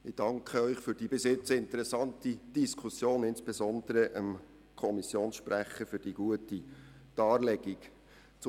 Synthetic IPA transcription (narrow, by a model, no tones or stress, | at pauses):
ɪd̥ɑŋkχəœʏχfyɾd̥iːb̥ɪsjɪt͡səɪntəɾɛsɑntid̥iskʰusjoːnɪnsb̥ezɔnd̥̪əɾəʔə̰m | kʰɔmisjoːnsʃpræχəfyd̥iɡ̥uətid̥ɑːrlɛɡ̥ik | t͡s